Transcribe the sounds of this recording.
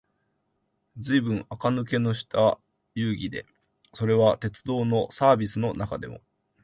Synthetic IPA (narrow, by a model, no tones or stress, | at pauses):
d͡zɨibɯ̟̃ɴ̃akanɯ̟k̬e̞no̞ɕi̥t̪a | jɯːɡʲid̪e̞̰ | so̞ɾe̞βat̪e̞t͡sɨd̪o̞ːno̞saːbʲisɨno̞nakad̪e̞̰mo̞̰